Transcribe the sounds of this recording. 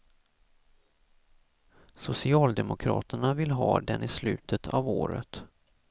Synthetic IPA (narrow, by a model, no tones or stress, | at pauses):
sʊsɪɑːld̪ɛmʊkʰɾɑ̰ːt̪əɳavɪlɦɑ̰ːd̪ɛnʔɪslʉ̟ːt̪ʰət̪ʰɑvoːɾə̰t̪